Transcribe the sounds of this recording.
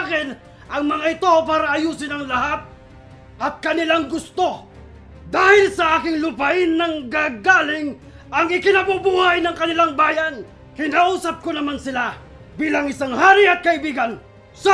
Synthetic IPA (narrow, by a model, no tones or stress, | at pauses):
kɪn | ʔɐŋmɐŋaɪt̪op̬aːɾɐʔɐjuːsɪnɐŋlɐhat̪̚ | ʔɐt̪̚kɐnɪlaŋɡʊst̪o̞ | d̪aːhɪlsɐʔaːkɪŋlʊpɐʔɪnːɐŋɡaɡaːlɪŋ | ɐŋɪkɪnɐbubuːhajnɐŋkɐnɪlaŋbaːjan | kɪnaːʔuːsɐp̚konɐmansɪla | biːlɐŋɪsaŋhaːɾɪɐt̪̚kɐɪbiːɡan | sa